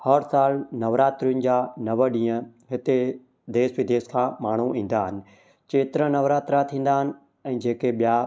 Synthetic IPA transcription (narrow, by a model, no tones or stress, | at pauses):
hɐɾsaːlnɐʋɾaːt̪ɾijʊnɪ̆d͡ʑaːnɐʋəɗĩːə̃ɦɪt̪e | d̪eːsʋɪd̪ʱeːskʰãːmaːɳ̤uʔĩːn̆d̪aːɦɪnɪ̆ | t͡ɕeːt̪ɪɾənɐʋɾaːt̪ɾat̪ʰĩːn̆d̪aːɦɪnɪ̆ | ɛ̃ːd͡ʑeːkeɓija